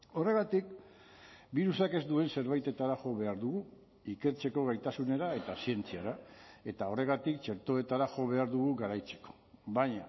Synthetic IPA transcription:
o̞re̞ɣ̞at̪ik̚ | biɾusake̞zd̪ue̞nse̞ɾβ̞ajt̪e̞t̪aɾaʝo̞βe̞aɾðuɣu | ike̞ɾt͡se̞ko̞ɣajt̪asune̞ɾae̞t̪asie̞nt͡siaɾae̞t̪ao̞re̞ɣ̞at̪ikt͡ʃe̞ɾt̪o̞e̞t̪aɾaʝo̞βe̞aɾðuɣuɣaɾajt͡se̞̥ko̥ | βaɲa

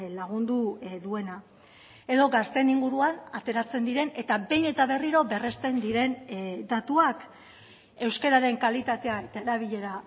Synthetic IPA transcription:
laɣ̞und̪uðue̞na | e̞ðo̞ɡast̪e̞niŋɡuɾuanat̪e̞ɾat͡se̞nd̪iɾe̞ne̞t̪abe̞jne̞t̪aβe̞riɾo̞be̞re̞st̪e̞nd̪iɾe̞nd̪at̪uak | e̞wske̞ɾaɾe̞ŋkalit̪at̪e̞aet̪aeɾaβ̞iʎe̞ɾa

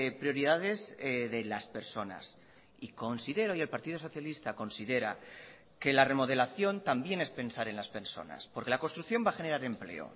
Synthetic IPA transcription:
pɾjo̞ɾiðaðe̞zðe̞laspe̞ɾso̞na̰s | iko̞nsiðe̞ɾoie̞lpaɾt̪ið̞o̞so̞θjalist̪ako̞nsiðe̞ɾa̰ | ke̞lare̞mo̞ð̞e̞laθjo̞nt̪ambje̞ne̞spe̞nsaɾe̞nlaspe̞ɾso̞̰na̰spo̞ɾke̞lakost̪ɾuθjo̞mbaxe̞ne̞ɾaɾe̞mple̞̰o̞̰

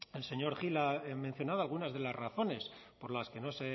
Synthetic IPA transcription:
else̞ɲo̞ɾxilamẽn̟θjo̞naðoalɣ̞unazðe̞lazraθo̞ne̞spoɾlaske̞no̞se

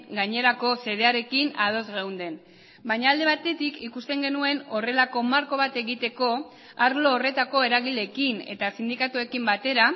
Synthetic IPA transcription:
ɡaɲe̞ɾako̞se̞ðe̞aɾe̞kinað̞o̞zɣewnd̪e̞n | bajɲaːld̪e̞βat̪e̞t̪ikikust̪e̞ŋɡe̞nue̞no̞re̞lako̞maɾko̞β̞at̪e̞ɣit̪e̞ko̞ | aɾlo̞ːre̞t̪ako̞e̞ɾaɣile̞ːkine̞̰t̪asind̪ikat̪ue̞kimbat̪e̞ɾa

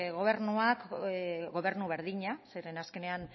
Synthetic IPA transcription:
ɣo̞β̞e̞ɾnuakɡo̞β̞e̞ɾnuβe̞ɾðiɲaseɾe̞naske̞ne̞an

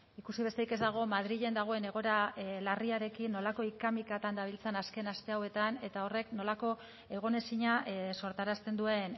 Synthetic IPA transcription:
ikusiβ̞e̞st̪eike̞zd̪aɣ̞o̞maðɾiʎe̞nd̪aɣ̞o̞e̞ne̞ɣ̞o̞ɾalariaɾe̞kinːo̞lako̞ikamikat̪and̪aβ̞ilt͡senaske̞nast̪e̞awe̞t̪ane̞t̪ao̞re̞kno̞lako̞ | e̞ɣ̞one̞siɲaso̞ɾt̪aɾast̪e̞nd̪ue̞n

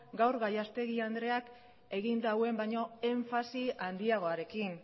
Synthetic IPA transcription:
ɡawɾɣajast̪e̞ɣiand̪ɾe̞ak | e̞ɣind̪awe̞mbajɲo̞e̞ɱfasiand̪iaɣ̞o̞aɾe̞kin

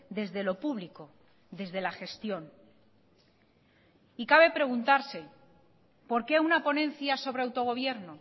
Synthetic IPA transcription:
d̪e̞zðe̞lo̞puβliko̞ | d̪e̞zðe̞laxe̞st̪jo̞n | ikaβ̞e̞pɾe̞ɣ̞unt̪aɾse̞ | po̞ɾke̞aunapo̞nẽ̞n̟θjaso̞β̞ɾeawt̪o̞ɣ̞o̞β̞je̞ɾno̞

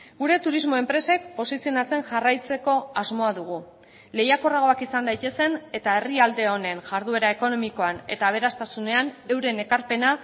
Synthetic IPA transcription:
ɡuɾe̞t̪uɾizmo̞e̞mpɾe̞se̞kpo̞sisionat͡se̞nʝarajt͡se̞ko̞azmo̞aðuɣ̞u | le̞jako̞raɣ̞o̞akisand̪ajt̪e̞se̞ne̞t̪ae̞riald̪e̞o̞ne̞nʝaɾðue̞ɾae̞ko̞no̞miko̞ane̞̰t̪aːβ̞e̞ɾast̪asune̞ane̞wɾe̞ne̞kaɾpe̞na

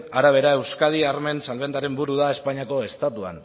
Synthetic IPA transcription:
aɾaβ̞e̞ɾae̞wskað̞iaɾme̞nsalβe̞nd̪aɾe̞mbuɾuðae̞spaɲiako̞e̞st̪at̪ua̰n

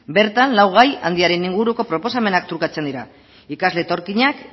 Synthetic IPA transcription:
be̞ɾt̪anlawɣ̞aja̰nd̪iaɾe̞niŋɡuɾuko̞pɾo̞po̞same̞nakt̪ɾuɾkat͡se̞nd̪iɾa | ikazle̞t̪o̞ɾkiɲak

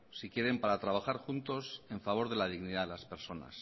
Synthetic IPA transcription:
sikje̞ɾe̞mpaɾat̪ɾaβ̞axaɾxunt̪o̞se̞ɱfaβo̞ɾðe̞lað̞iɣniðaðelaspe̞ɾso̞na̰s

